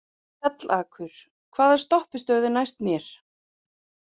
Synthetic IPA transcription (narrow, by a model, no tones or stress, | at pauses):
ɛt̪lʔaːkʰʏɾ̥ | kʰvaːðɛɾ̥st̪ɔhpɪst̪œːɥðʏnajst̪mjɛɾ̥